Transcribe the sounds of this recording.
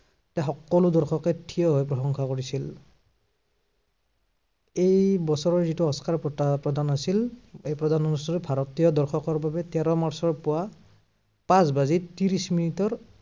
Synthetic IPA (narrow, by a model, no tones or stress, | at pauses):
tɛxɔkːɔlʊdɔɹxɔkɛtʰijɔɦɔjpɹɔxɔŋkʰakoɹisil | ejbɔsɔɹɔɹzituɔskaɹppɹɔdanasilejpɹɔdʱanɔnusɔɾbʱaɹɔtijɔdɔɹxʰɔkɔɹbabɛtɛɹɔmaɹsɔɹpʊwa | pasbazitiɹisminitɔɹ